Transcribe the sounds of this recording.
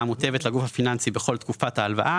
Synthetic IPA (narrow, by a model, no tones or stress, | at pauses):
mut̪e̞vet̪laɡufhafinansibe̞χo̞lt̪kufat̪haːlva̰ʔa